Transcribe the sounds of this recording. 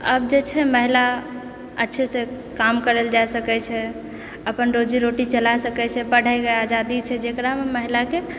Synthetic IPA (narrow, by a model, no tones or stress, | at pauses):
ə̰b̚d͡ʒet͡ʃʰɛməɦila | ə̰tːʃʰese | kamkəɾeld͡ʒajsəkɛt͡ʃʰɛ | əpənɾod͡ʒiɾoʈit͡ʃəlajsəkɛt͡ʃʰɛpəɽ̤ajɡəad͡ʒad̪it͡ʃʰɛd͡ʒekɾameməɦilake